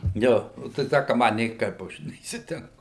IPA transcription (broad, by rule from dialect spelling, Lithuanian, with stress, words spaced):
ˈjoː oː tɐɪ ˈtʲæː kɐ ˈmɐ nʲeːˈkɐɪp ˈɐʃ nʲɛiːsʲɪtʲɛŋˈkʊ